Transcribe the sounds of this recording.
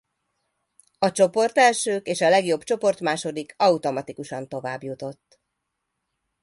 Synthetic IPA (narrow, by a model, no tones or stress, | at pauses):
ɒt͡ʃo̞po̞rt̪ɛlʃøːkeːʃɒlɛɡjo̞bt͡ʃo̞po̞rt̪maːʃo̞d̪ikʰɒut̪o̞mɒt̪ikuʃɒnt̪o̞vaːbjut̪o̞t̪ː